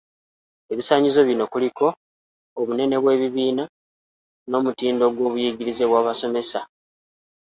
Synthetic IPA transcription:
e̞βisaːɲizo̞βjino̞kuliko̞ː | βune̞ne̞βwe̞ːβiβiːna | no̞ːmutiːndo̞ɡwo̞ːβujiɡiɾize̞βwaːβaso̞me̞sa

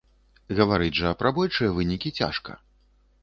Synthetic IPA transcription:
ɣɐvaɾɨd͡zʲʐɐpɾɐbɔjʲt͡ʂɨjɐvɨnʲikʲit͡sʲa̰ʂkɐ̰

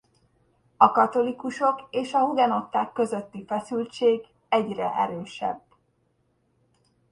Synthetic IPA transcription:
ɒkɒt̪o̞likuʃo̞keːʃɒɦud̪ɛno̞t̪ːaːkːø̞zø̞t̪ːifɛsylt͡ʃeːɡ | ɛɟrɛ̰ʔɛɾøːʃɛ̰bː

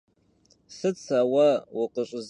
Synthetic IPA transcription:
sɨt͡sʰawawaqʼəɕʷʼz

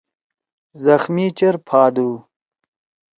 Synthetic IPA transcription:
zɐxmiːt͡ɕɐɾpʰaːd̪uː

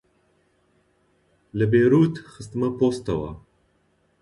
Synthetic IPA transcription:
lɨbeːɾuːt̪xɨst̪ɨmɐpost̪ɐwa̰

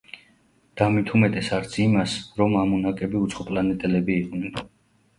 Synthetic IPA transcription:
d̪̥amit̪ʰumɛt̪ʼɛsaɾt̪sʰimasɾɔmamɔnakʼɛbiut̪sʰχɔpʼlanɛt̪ʼɛlɛbiːqʼnɛn

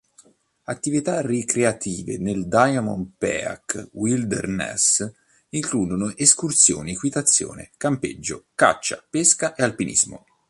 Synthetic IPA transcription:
at̪ːivit̪arikɾeat̪ʰiːvḛneld̪ajamɔ̰npɛ̰a̰kwild̪ḛrnɛ̰s | iŋkluːd̪onoʔeskurt̪sjo̰ːnikwit̪at̪sːjo̰ːnḛkampḛd͡ʒːo̰ka̰t͡ʃːa̰peskaʔealpinʔḭzmo̰

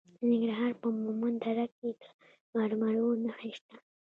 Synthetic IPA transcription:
nɪŋɡɾaɦɑɾpəmumand̪aɾakːed̪ə̥ | maɾmaɽonaxiʃt̪a

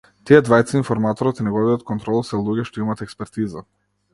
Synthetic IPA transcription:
t̪iɛd̪vajt̪sainfɔɾmat̪ɔɾɔt̪inɛɡɔbiɔt̪̚kʰɔnt̪ɾɔlˠasɛlˠuɡɛʃt̪ɔimat̪ɛkspɛɾt̪iza

